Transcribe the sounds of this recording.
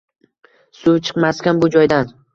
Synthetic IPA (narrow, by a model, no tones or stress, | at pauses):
sʊt͡ʃʰɨ̥qmaskʲanbʊd͡ʒɒjd̪an